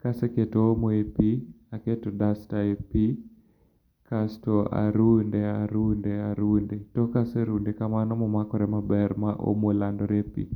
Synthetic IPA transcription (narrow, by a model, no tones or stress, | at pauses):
kaseketoomoepi | aketɔdastaepi | kastɔa̰ɾundeaɾundeaɾundetɔkaseɾundekamanɔmɔmakɔɾɛmabɛɾmaʔo̰molandɔɾepḭ